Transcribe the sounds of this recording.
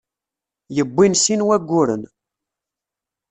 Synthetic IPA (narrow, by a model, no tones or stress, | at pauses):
jəbːinsinwæɡʷːʊɾə̰n